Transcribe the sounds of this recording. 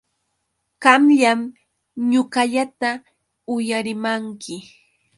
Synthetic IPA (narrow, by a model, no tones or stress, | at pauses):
ɢɑmʎam | ɲʊɢɑʎat̪a | ʊjaɾɪmaŋkɪ